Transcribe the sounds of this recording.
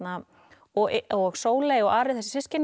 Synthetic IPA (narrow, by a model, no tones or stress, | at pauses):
na | ɔɔɣsoːwleːjɔɣaːɾɪðθɛsɪ̥sɪscɪn